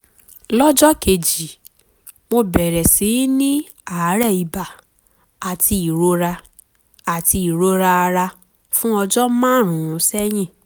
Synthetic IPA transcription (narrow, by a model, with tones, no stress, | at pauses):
lɔ˦d͡ʒɔ˦ke˨d͡ʒi˨ | mo˧bɛ˨ɾɛ˨si˨˦nĩ˦ | a˨˦ɾɛ˦˨i˨ba˨ | a˨ti˧i˨ɾo˧ɾa˧ | a˨ti˧i˨ɾo˧˦ɾa˧a˧ɾa˧ | fũ˦ɔ˧d͡ʒɔ˦mãː˦˨ɾ̃ũ˨ũ˧sɛ˦j̃ĩ˦˨